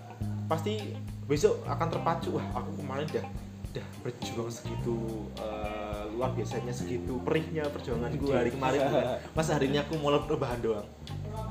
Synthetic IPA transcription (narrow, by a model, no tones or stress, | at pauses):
past̪ibesoa̰kant̪ərpat͡ʃuwahakukəmaɾɪŋdah | d̥ahb̥ərd͡ʒuaŋsə̥kit̪uəluarbiasaɲasəkit̪upəɾɪk̚ɲapərd͡ʒuaŋankuɦaɾikəmaɾɪnamasɦaɾiniakumolarobaɦandoaŋ